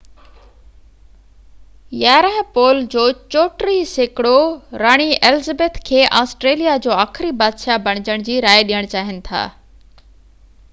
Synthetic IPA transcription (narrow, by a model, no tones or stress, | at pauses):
jaːɾəɦpoːld͡ʑoːt͡ɕoːʈɾiseːkɪɽoɾaːɽ̃iʔelɪzəbeːt̪ʰkʰeːʔaːsʈɾeːlijad͡ʑoːaːxʰɪɾibaːd̪ʃabɐɽ̃ɪd͡ʑəɽ̃d͡ʑiːɾaːeɗijəɽ̃t͡ɕaːɦɪnɪ̆t̪ʰa̰ː